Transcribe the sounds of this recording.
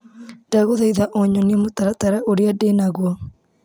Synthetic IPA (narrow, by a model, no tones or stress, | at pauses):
daɣoðaiðaʔoɲɔniemotaɾataɾaʔoɾeadenaɣwɔ